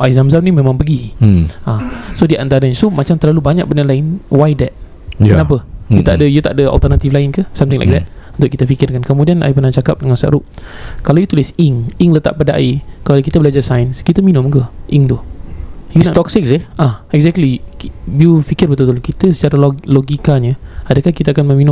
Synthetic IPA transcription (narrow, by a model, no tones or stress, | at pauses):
ʔaizamzamnĩmẽmãŋpəɡiãsodiʔant̪aɾəɲsomat͡ʃamt̪ərlalubaɲak̚bənarlaɪnwajdɛt̪̚ | kənap̬əjua̰ʔdəjut̪aʔdəa̰lt̪ərnat̪iflaɪnkəsamt̪ɪ̃ŋla̰jk̚d̪ɛ̰t̚unt̪ʊʔkit̪əfikɪrdəŋankomũdianʔa̰ipənat͡ʃakap̚dəŋãnsa̰ʔɾuʔ̚kalawjut̪ulɪsiŋiŋlət̪a̰ʔpadaʔa̰ikalakit̪əbəlad͡ʒasajənskit̪əminʊ̃mkəʔiŋt̪u | junat̪ɔksɪkseʔaɛkzɛk̚tlibjufikɪrbət̪ut̪ulkit̪əsə̥t͡ʃaɾalloɡikaɲəadakahkit̪əakanməmĩnʊ̃m